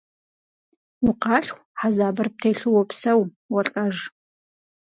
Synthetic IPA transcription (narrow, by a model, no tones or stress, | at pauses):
ʊqɑːɬxʷħazaːbɐrp̚tʰejɬɨwɔpsɐw | wɔɬʼɐʒ